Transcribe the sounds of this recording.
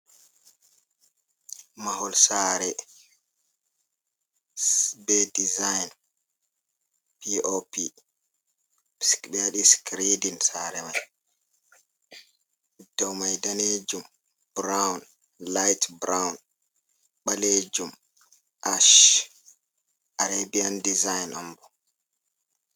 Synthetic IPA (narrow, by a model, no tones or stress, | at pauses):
mahɔlsaːɾɛ | sbɛdizajn | piʔopi | skbɛaɗiskɾidinsaɾɛmaj | d̥ɔwmajdaneːd͡ʒum | b̥ɾawn | lajtbɾawn | ɓaleːd͡ʒum | ʔaʃ | ʔaɾabiandizajnambɔ